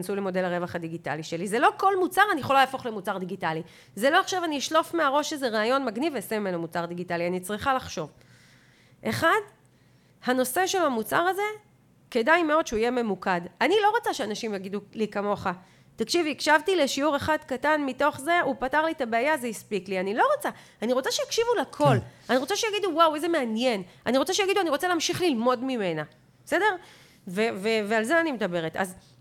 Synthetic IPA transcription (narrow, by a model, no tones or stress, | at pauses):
nsulemo̞de̞laʁe̞vaχadiɡita̰liʃe̞lizelo̞ko̞lmut͡saʁanijeχolalaːfo̞χle̞mut͡saʁd̪iɡitali | zelo̞aχʃavaniiʃlo̞fmeaʁo̞ʃezeʁaːjo̞nmaɡnivesemimenomut͡saʁdiɡitalianit͡sʁiχalaχʃo̞v | ʔe̞χad | hano̞se̞ʃe̞lhamut͡saʁaze̞ | ke̞dajme̞o̞dʃeuijeme̞mukadanilo̞ʁat͡saʃeanaʃimjaɡidulikamo̞χa | takʃivikʃavtile̞ʃiuʁeχadkatanmito̞χze̞ʔupataʁlitabeajazeispiklianilo̞ʁot͡sa | aniʁo̞t͡saʃejakʃivulakʰo̞laniʁo̞t͡saʃejaɡiduwawejzeme̞anje̞naniʁo̞t͡saʃejaɡiduaniʁo̞t͡salɛaːmʃiχlilmo̞dmime̞na | bese̞de̞ʁ | vevevealzeanimedabe̞ʁeta̰z